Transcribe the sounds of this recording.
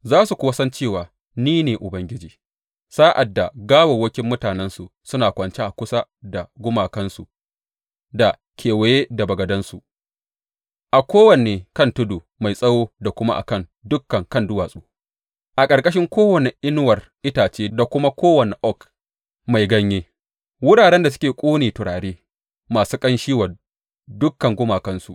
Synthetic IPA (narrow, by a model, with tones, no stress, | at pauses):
zaː˦su˨kʷʊ˦wɐ˦sɐ˦nt͡ʃeː˦˨waː˨ | niː˦neː˨ʔʊ˨bɐ˦ŋɡʲɪ˦d͡ʒiː˨ | saː˦ʔa˨dːa˨ɡaː˦wa˨wɐ˦kʲɪ˦mːʊ˦taː˨nɛ˦nsu˨sʊ˦naː˨kʷʼɐ˨nt͡ʃe˦ʔa˨kʷʊ˦sa˦da˨ɡʷʊ˦maː˨kɐ˦nsu˨ | da˨ | kʲʰeː˨wɐ˨je˦da˨bɐ˨ɡɐ˨dɐ˦nsu˨ʔ | ʔa˨kʷoː˦wɐ˨neː˨kɐ˦ntʊ˦duː˨ | ma˨jsʼɐ˦woː˦da˨kʷʊ˦ma˦ʔa̰˨kɐ˦˨ndʊ˦kːɐ˨ŋkɐ˦˨ndʊ˦waː˨sʼuː˦ | ʔa˨kʼɐ˨ɾkʼɐ˦ʃ̬ɪ˦ŋkʷoː˦wɐ˨ne˨ʔɪ˦n˦wɐ˨rʔɪ˦taː˨t͡ʃeː˦da˨kʷʊ˦ma˦kʷoː˦wɐ˨ne˨ʔɔ˦˨k | ma˨jɡɐ˦ɲjeː˦ | wʊ˦ɽaː˨ɽɛ˦nda˨s̬ʊ̥˦kʲeː˨kʷʼuː˦neː˨tʊ˨ɽaː˨ɽeː˦ | maː˨suː˦kʼɐ˦nʃiː˦wa˨ | dʊ˦kːɐ˨ŋɡʷʊ˦maː˨kɐ˦nsu˨ʔ